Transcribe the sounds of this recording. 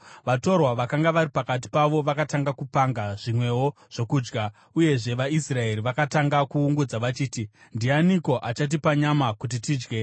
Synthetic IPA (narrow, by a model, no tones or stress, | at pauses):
ʋato̞rwaʋakaŋɡaʋaɾipakat̬i̥paʋo̞ʋakataŋɡakupaŋɡaʐ̥imwe̞wo̞ | ʐ̥o̞kuːd͡ʒɡa | uje̞ʐe̞ʋaisrae̞ɾiʋakataŋɡakuːŋɡud͡zaʋat͡ʃiːti | ndianiko̞ʔat͡ʃat̬ipaɲamakut̬itiːd͡ʒɡe̞